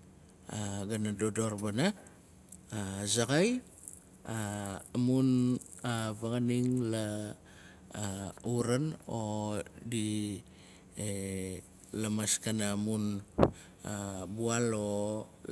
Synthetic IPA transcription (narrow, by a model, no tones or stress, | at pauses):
aɡanadodoɾbana | zakaj | aamun | avaɡaniŋla | uɾanodi | e | lamaskanamun | abualo